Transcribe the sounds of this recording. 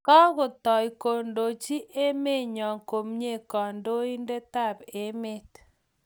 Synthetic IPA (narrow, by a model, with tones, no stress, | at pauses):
kɔ˦ɣʊ˨tɔ˨i˨ko˨ndo˨t͡ʃi˦ʔe˦me˦˨ɲɔ˨ŋko˨mɲe˦˨kɔ˨ndo˦i˦nde˦ta˦˨be˦me˦t